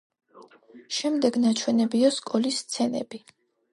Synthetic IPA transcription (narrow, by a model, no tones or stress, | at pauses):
ʃɛmd̪ɛɡnat͡ʃʰwɛnɛbiɔskʼɔlisːt̪sʰɛnɛ̰bi